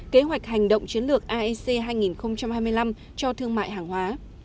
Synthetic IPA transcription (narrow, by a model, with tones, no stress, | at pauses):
ke˨˦ɦwa˨˩k̚ha˨˩jŋ̟ɗə̰˧˨wŋ͡mt͡ɕi˨˦ənlɨ˨˩ək̚ʔaː˧ʔɛ˧se˧ɦaː˧jŋi˨˩nxə˧wŋ͡mt͡ɕa˧mhaː˧jmɨ˧əjla˧m | t͡ɕɔ˧t̪ʰɨ˧əŋma̰ː˧˨jɦaː˨˩ŋhwaː˨˦